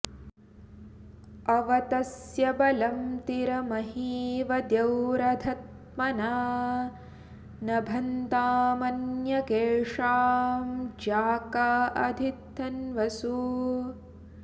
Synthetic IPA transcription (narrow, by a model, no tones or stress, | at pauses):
ɐʋɐt̪ɐsjɐbɐlɐmt̪iɾɐmɐɦiːʋɐd̪jɐwɾɐd̪ʱɐt̪̚ | mɐna | nɐbʱɐnt̪aːmɐnjɐkeːɻʂaːmd͡ʒaːkɐɐd̪ʱit̪ːɐnʋɐsu